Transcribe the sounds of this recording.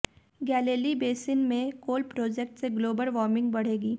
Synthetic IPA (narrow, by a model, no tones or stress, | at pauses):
ɡɛːleːlibeːsɪnmẽkoːlpɾoːd͡ʒɛk̚ʈseɡloːbəlʋɔːɾmɪ̃ŋɡ̚bɐɽ̤eːɡiː